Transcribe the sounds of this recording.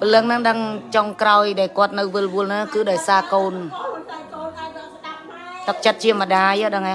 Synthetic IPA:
pələŋnɨŋɗəŋt͡ɕoŋkraɔjɗaɛlkŏət̪̚nɨwʋɨlʋuəlnaːkɨːɗaɔjsaːkoːn | t̪ɨk̚t͡ɕət̪̚t͡ɕiəmə̆ɗaːjːɗəŋʔa

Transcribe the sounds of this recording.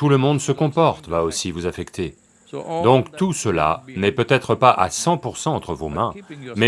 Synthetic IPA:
t̪uləmɔ̃d̪səkɔ̃pɔʁt̪vaosivuzafɛkt̪ʰe | d̪ɔ̃kt̪usəla̰nɛpøt̪ɛt̪χəpaʔa̰sɑ̃puʁsɑ̃ɑ̃t̪χəvomɛ̃mɛ

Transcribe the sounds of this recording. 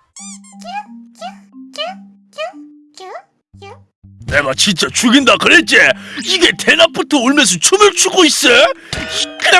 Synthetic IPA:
ne̞ɡat͡ɕint͡ɕ͈at͡ɕuɡindakɯɾet͡ɕ͈eiɡe̞te̞nap͈utʰooɭmens̬ʰot͡ɕʰumɯɭt͡ɕʰuɡois͈ʌ | k

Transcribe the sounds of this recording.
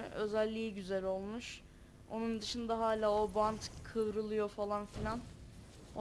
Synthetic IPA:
ø̞zælʲːiːɟyzælʲo̞lˠmuʃ | o̞nund̪ɯʃɯnd̪aɦaːlʲaːo̞bant̪kʰɯvɾɯlˠɯjo̞falˠanfilʲan | o

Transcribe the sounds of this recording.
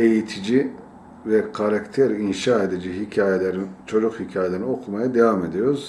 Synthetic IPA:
e̞jit̪ʰid͡ʒi | vɛkʰaɾakt̪ʰeɾinʃaːed̪id͡ʒiɦicʰaːjelʲeɾit͡ʃʰo̞d͡ʒukhicʰaːjeeɾno̞kʰumajad̪evame̞d̪ijoɾuz̥

